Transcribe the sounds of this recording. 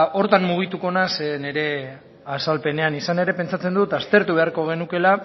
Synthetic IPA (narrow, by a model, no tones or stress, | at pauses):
o̞ɾt̪anmuɣ̞it̪uko̞nasene̞ɾe̞ | asalpe̞ne̞anisane̞ɾe̞pe̞nt͡sat͡se̞nd̪ut̪ast̪e̞ɾt̪uβe̞aɾko̞ɣ̞e̞nuke̞la